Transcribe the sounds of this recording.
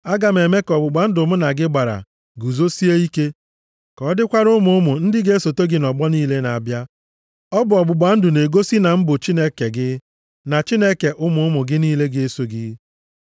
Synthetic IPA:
a˦ɡa˨m̩e˨me˦kɔ˨bʊ˨ɡ͡ba˨n̩˦dʊ˨mʊ˦na˨ɡɪ˦ɡ͡ba˨ɾa̰˨ | ɡu˨zo˦si˦e˦i˦ke˦ | kɔ˨ɔ˦dɪ˦kʷa˦ɾʊ˦mʊ˨ʊ˦mʊ˨n̩˦dɪ˦ɡe˦so˨to˦ɡɪ˦nɔ˨ɡ͡bɔ˦niː˦le˦na̰˨bja˦ | ɔ˦bʊ˨ɔ˨ɡ͡bʊ˨ɡ͡ba˨˦n̩˦dʊ˨ne˨ɡo˦si˦na˨m̩˦bʊ˨t͡ʃi˦ne˦ke˨ɡɪ˦ | na˨t͡ʃi˦ne˦ke˨ʔʊ˦mʊ˨ʊ˦mʊ˨ɡɪ˦niː˦le˦ɡɪ˦e˦so˦ɡɪ˦

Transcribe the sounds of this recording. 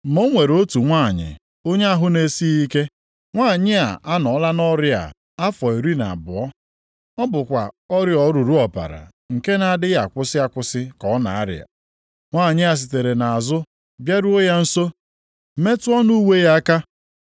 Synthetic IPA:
mo˦ŋʷe˨ɾo˦tu˨ŋʷaː˦˨ɲɪ̰˨ | o˦ɲe˦a˦ɦʊ˦ne˨si˦i˦ke˦ | ŋʷaː˦˨ɲɪ˦a̰˨ʔa˦nɔ˨˦la˦nɔ˦ɾɪ˦a̰˨ | a˦fɔ˨i˨ɾi˦na̰˨bʊ˨ɔ˦ | ɔ˦bʊ˨kʷa˨ | ɔ˦ɾjɔ˨˦ɾu˨ɾu˦ɔ˨pa̰˨ɾa̰˨ | ŋ̩˨ke˦na˨dɪ˦ja˨kʷʊ˦sɪ˦a˨kʷʊ˦sɪ˦kɔ˨˦na̰˨a˦ɾɪ̰˨a̰˨ | ŋʷaː˦˨ɲɪ˦a˨s̬i˨te˨ɾe˨na˨a˨zʊ˦ | bja˦ɾu˦o˦ja˦n̩˦so˦ | me˦tʊ˦ɔ˦nu˦we˦ja˦ka˦

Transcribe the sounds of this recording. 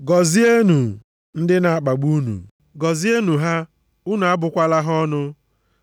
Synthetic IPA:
ɡɔ˨zi˦e˦nu˨ | n̩˦dɪ˦na˨a˨k͡pa˨ɡ͡bu˦nṵ˨ | ɡɔ˨zi˦e˦nu˨ɦa˦ | u˦na˨a˦bʊ˨kʷa˦la˦ɦɔ˦nʊ˦

